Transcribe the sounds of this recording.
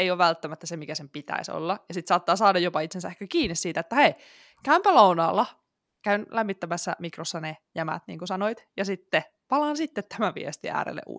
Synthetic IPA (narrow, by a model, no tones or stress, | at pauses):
eijoːʋʋælt̪ːæmæt̪ːæsemikæsempit̪æ̰iso̰lːɑjɑsit̪sɑːt̪ːɑːsɑːdɑjopɑit̪sensæehkækiːnːissiːt̪æet̪ːæhei | kæympælounɑːlːɑ | kæynlʔæmːit̪ːæmæsːæ̰mikrosːɑnejæmæ̰t̪nḭːŋkusɑnoit̪jɑsit̪ːe | pɑlɑnsit̪ːet̪t̪æmæʋḭest̪iæ̰ːɾḛlːḛʔṵ